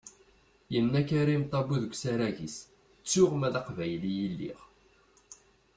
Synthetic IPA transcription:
jənːækaɾimt̪ˤːɑbuðəɡʷsaɾæʝis | t͡sːuʊʁmæðɑqvæjlijəlːḭʁ

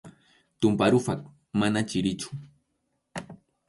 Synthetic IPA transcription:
t̪ʊmpaɾʊfak | manat͡ʃɪɾɪt͡ʃʊ̥

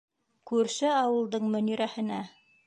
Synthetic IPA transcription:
kʉɾʃɘɑwɤ̆lˠd̪ɤɴmɵ̆niɾæhɘ̆næ

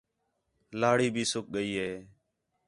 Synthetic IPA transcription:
laːɽiːbʱiːsʊk̚ɠəiːɦeː

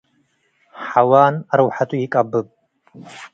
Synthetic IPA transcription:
ħawaːnaɾɨwħatʼuikʼabɨpʼ

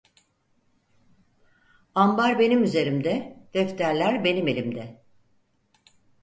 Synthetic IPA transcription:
ambaɾbe̞nimyze̞ɾimd̪ɛd̪̥ɛft̪ʰæɾlʲæɾbe̞nime̞lʲimd̪ɛ

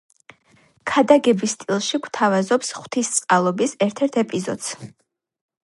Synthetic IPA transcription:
kʰad̪aɡɛbist̪ʼilˠʃiɡwt̪ʰavazɔpsχw̥t̪ʰist̪sʼqʼalˠɔbisɛɾt̪ʰɛɾt̪ʰɛpʼizɔd̪̥s

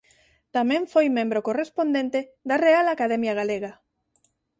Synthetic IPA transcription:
t̪amẽɱfojmẽmbɾokorespond̪ẽnt̪eðarealakaðɛmjaɣ̞aleɣa

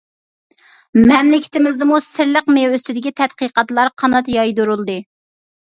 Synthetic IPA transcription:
mɛmlɪkʲʰɪ̥t̪ɪmɪzd̪ɨmusɪɾləqmeøst̪ɪd̪ɪkʲit̪ʰɛt̪̚qəqɑt̪lˠɑɾqʰɑnɑt̪jɑjd̪uɾulˠd̪ɨ

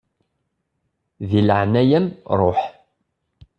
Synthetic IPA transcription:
ðilʕnæjæmɾˤoħ

